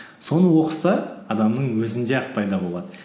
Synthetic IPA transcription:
so̞nəwo̞qəsɑɑd̪ɑmnəɴwɵzɪnd̪e̞ɑqpʰɑjd̪ɑbo̞lˠɑd̪ə

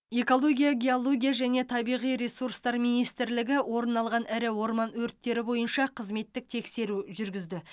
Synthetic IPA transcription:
e̞ko̞lˠo̞ɡʲijaɡʲeolˠo̞ɡʲijaʒæne̞t̪ʰɑbijʁijɾe̞surst̪ɑɾmijnijst̪ɪɾlɪɡʲɪwo̞ɾənːɑlˠʁɑnɪɾɪwo̞ɾmɑnwɵɾt̪ːe̞ɾɪbo̞jənʃɑqʰəzme̞t̪ːɪk̚t̪ʰe̞kse̞ɾuʒʏɾɡʲɪzd̪ɪ

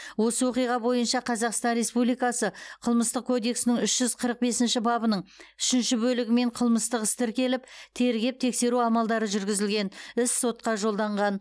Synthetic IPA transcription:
wo̞səwo̞qijʁɑbo̞jənʃɑqʰɑzɑqst̪ɑnɾe̞spublijkɑsəqʰəlˠməst̪əqkʰo̞d̪e̞ksɪnɪŋʏʃʒ̥ʏzqʰəɾəq̚be̞sɪnʃɪbɑbənəɴʏʃɪnʃɪbɵlɪɡʲɪme̞ɴqʰəlˠməst̪əqəst̪ɪɾkʲe̞lɪp̚t̪ʰe̞ɾɡʲe̞p̚t̪ʰe̞kse̞ɾuɑmɑlˠd̪ɑɾəʒʏɾɡʲɪzɪlɡʲe̞nɪsːo̞t̪qɑʒo̞lˠd̪ɑɴʁɑn

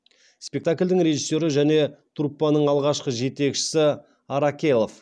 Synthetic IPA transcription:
spe̞k̚t̪akʲlʲd̪ɪŋɾe̞ʒisːo̞ɾɪʒæne̞t̪ʰuɾpːɑnəɴɑlˠʁɑʃqəʒe̞t̪e̞kʃɪ̥sɪ | ɑɾakʲe̞lˠo̞f

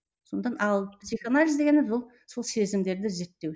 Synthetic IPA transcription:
sont̪ɑnɑlˠpʰsixanalʲizd̪e̞ɡʲenebzulˠ | so̞lˠse̞zɪmd̪e̞ɾd̪ɪze̞ɾt̪ːe̞w

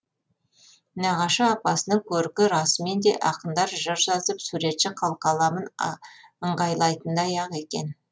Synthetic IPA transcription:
nɑʁɑʃəːq̚pɑsənəŋkʲʰɵɾɪkʲɪɾɑsəme̞nd̪e̞ʔɑqənd̪ɑɾʒəɾʒɑzəpsuɾe̞t̪ʃɪqʰɑlˠqɑlˠɑmən | əɴʁɑjlˠɑjt̪ənd̪ɑjɑʁe̞kʲe̞̰n

